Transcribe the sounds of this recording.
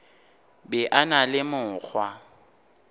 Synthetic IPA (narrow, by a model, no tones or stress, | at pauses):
bɛʔanalɪmʊːk͡xʰwa